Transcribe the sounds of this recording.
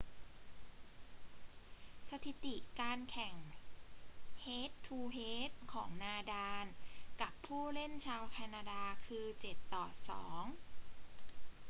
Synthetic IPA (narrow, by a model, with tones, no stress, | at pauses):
sa˧t̪ʰi˨˩˦t̪i˨˩kaː˧nkʰɛ˨˩ŋ | heː˦˥t̪ʰːuː˧ɦeː˦˥t̪̚kʰɔː˩˦ŋnaː˧daː˧nka˨˩pʰːuː˥˩le˥˩nt͡ɕʰaː˧wkʰa˧naː˧daː˧kʰɯː˧t͡ɕe˨˩t̪ːɔː˨˩sɔ̰ː˩˦ŋ